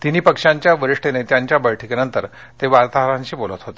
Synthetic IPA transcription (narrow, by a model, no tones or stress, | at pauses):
t̪iniːpəkʂaɲt͡ɕjaʋəɾiʂʈenet̪jaɲt͡ɕjabəjʈʰikenənt̪əɾ | t̪eʋaɾt̪aɦɾãɲt͡ɕiːbolət̪ɦot̪e̥